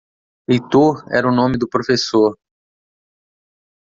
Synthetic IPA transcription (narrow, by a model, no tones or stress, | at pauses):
lejt̪oɾɛ̰ɾɐʊnõmɪd̪ʊpɾofesoɾ